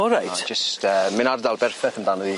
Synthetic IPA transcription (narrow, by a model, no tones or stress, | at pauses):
ɔɾajtd͡ʒ̥əstʰəːmɪnardalˠbɛrfɛθəndanɔði